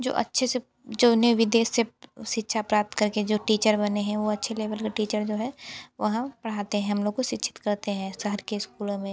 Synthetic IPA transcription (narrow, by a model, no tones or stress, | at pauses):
d͡ʒo̰ːʔɐ̰tːʃʰese | d͡ʒoːneʋɪd̪eːʃseʃɪtːʃʰapɾaːp̚t̪kɐɾked͡ʒoːʈiːt͡ʃəɾbɐneɦɛ̃ʋoɐtːʃʰeleːʋəlkaʈiːt͡ʃəɾd͡ʒoːɦɛʋɐɦãpɐɽ̤aːt̪eɦɛ̃ɦɐmloːɡ̚koʃɪtːʃʰɪ̥t̪kɐɾt̪eɦɛ̃ːsɐɦəɾkeɪskuːlõmẽ